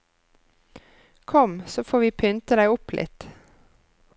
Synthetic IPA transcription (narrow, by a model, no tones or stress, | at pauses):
kʰɔmsoːfoːʋiːpʰʏnt̪əd̪æɪʊplʔɪ̰t̪